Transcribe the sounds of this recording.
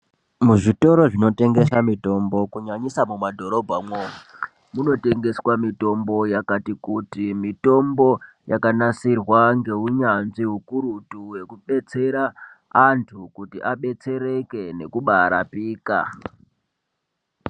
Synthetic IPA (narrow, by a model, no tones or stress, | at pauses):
muʐito̞ɾo̞ʐino̞te̞ŋɡe̞samito̞mbo̞kuɲaɲisamumadʱo̞ɾo̞bʱamwou | muno̞te̞ŋɡe̞swamito̞mbo̞jakatikutimito̞mbo̞ | jakanasirwaŋɡe̞ɦuɲanʐiɦukuɾutuwe̞kuɓe̞t͡se̞ɾaː | ntʰukutiʔaɓe̞t͡se̞ɾe̞ke̞ne̞̰kuɓaɾa̰piːka̰